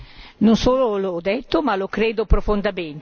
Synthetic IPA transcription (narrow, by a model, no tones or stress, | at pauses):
nonsoːlolod̪ɛt̪ːomalokɾeːd̪opɾofond̪ament̪